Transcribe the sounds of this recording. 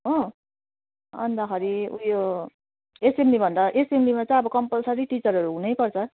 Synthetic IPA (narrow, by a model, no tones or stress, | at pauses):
ɦʌ̃ | ʌ̰nd̪akʰʌɾiujo | esemlibʱʌnd̪aʔesemlimat͡sʌj̃ʌbʌkʌmpʌlsʌɾiʈit͡sʌɾɦʌɾuɦũnʌjpʌrt͡sʰʌ